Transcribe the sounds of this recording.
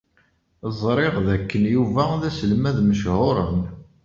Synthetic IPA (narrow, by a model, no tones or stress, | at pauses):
zˤɾˤɪʁðækːənjuvæðæsəlmæðməʃhʊɾˤən